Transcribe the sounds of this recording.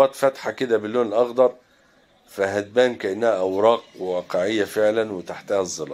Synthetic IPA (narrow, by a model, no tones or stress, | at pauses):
ɑːt̪fæt̪ħakɪd̪æbɪlːoːnɪlʔɑɣd̪ɑɾˤ | fæɦæd̪̚bæːnkæʔɪnːæhæʔæwɾˤɑːqwewɑːqeʕɪjːæfeʕlænwɪt̪aħt̪æhæzˤːɑlɑ̰ː